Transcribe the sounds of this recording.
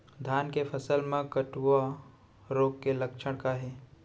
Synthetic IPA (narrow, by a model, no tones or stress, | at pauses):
d̪ʱaːnkepʰəsəlmẽkəʈʋo | ɾoːɡkeləkʃʰəɽ̃kaɦeː